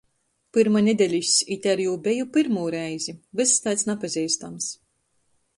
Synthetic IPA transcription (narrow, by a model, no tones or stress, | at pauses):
pɨɾmanʲed̪ʲɛlʲisʲit̪ʲɛɾjuːbʲejupɨɾmuːɾɛjzʲivɨst̪ajt̪snapazʲiːst̪ams